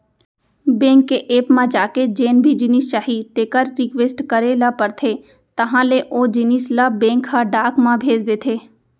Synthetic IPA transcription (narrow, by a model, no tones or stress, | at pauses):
bẽːŋkːeʔeːpmãd͡ʒaːked͡ʒeːnbʱid͡ʒɪnist͡ʃaːɦit̪eːkəɾːɪkʋeːsʈkəɾelapəɾt̪ʰe | t̪ɐɦãleʔoːd͡ʒɪnislabẽːŋkʰːaɖaːkmãbʱeːd͡ʒd̪eːt̪ʰeː